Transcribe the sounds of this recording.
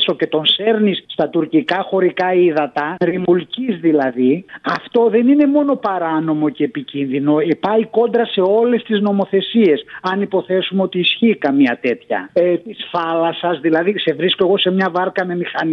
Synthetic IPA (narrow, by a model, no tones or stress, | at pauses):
so̞ce̞t̪o̞nse̞ɾnisːt̪ɐt̪uɾcikɐxo̞ɾikɐiðɐt̪ɐɾimulcizðilɐðiɐft̪o̞ðe̞nine̞mo̞no̞pɐɾɐno̞mo̞ceːpicinðino̞pɐiko̞nd̪ɾɐse̞o̞le̞st̪izno̞mo̞θe̞sie̞sɐnipo̞θe̞sumeo̞t̪iːsçiːkɐmiɐt̪e̞t̪çɐ̰t̪isfɐlɐsɐzðilɐðise̞vɾisko̞e̞ɣo̞se̞mɲɐvɐɾkɐme̞mixɐn